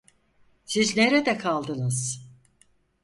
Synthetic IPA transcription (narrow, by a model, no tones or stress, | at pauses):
sizneɾed̪ɛkʰalˠd̪ɯnɯz̥